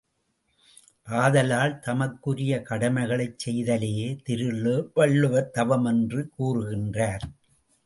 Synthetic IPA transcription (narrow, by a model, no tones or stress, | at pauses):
ʔaːðɐlaːlt̪ɐmɐkːɯɾɪjɐkɐɽɐmɐɪɣɐɭɐɪt͡ʃsɛjðɐlejeːt̪ɪɾɯɭːɯːʋɐɭːɯʋɐɾt̪ɐʋɐmɛndrɯkuːrɯɣɪndraːɾ